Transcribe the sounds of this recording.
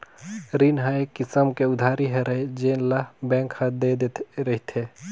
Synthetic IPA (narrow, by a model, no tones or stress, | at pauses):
ɾinɦaekːɪsəmkeʊd̪ʱaːɾiɦeɾəɦed͡ʒeːnlabɛ̃ːŋkhəd̪ed̪ɾəɦit̪ʰe